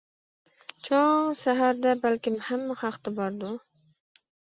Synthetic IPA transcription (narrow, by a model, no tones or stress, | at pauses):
t͡ʃɑ̃saɦaɾd̪abalkemhamːəxaxt̪ɪbɑɾd̪u